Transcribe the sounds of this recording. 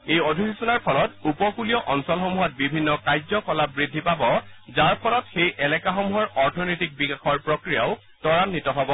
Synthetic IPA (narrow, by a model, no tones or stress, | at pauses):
ejodʱikisɔnaɹpʰɔlɔtupɔkulijɔʔɔnsɔlxɔmuɦɔt̚bibʱinːɔkajzɔkɔlabɹidʱːipabɔzaɹpʰɔlɔtxejʔɛlɛkaxɔmuɦɔɹɔɹtʰɔnɔjtik̚bikaxɔɹpɹokɹija̰ʊ | tɔɹanːitɔɦɔbɔ